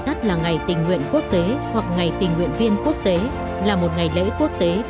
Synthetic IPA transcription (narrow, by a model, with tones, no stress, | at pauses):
t̪ə˦˥t̚laː˨˩ŋa˨˩jt̪ï˨˩ŋ̟ŋwḭ˧˨ənku˦˥ək̚t̪e˨˦hwa˨˩k̚ŋa˨˩jt̪ï˨˩ŋ̟wḭ˧˨ənvi˧ənku˦˥ək̚t̪e˨˦ | laː˨˩mo˨˩t̚ŋa˨˩jlḛ˧˥ku˦˥ək̚t̪e˨˦